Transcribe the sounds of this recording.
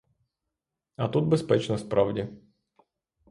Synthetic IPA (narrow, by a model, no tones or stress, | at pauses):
ɐt̪ut̪̚bʲɪspʲɛt͡ɕnəsʲt̪̚ʲpɾʔavdʲɪ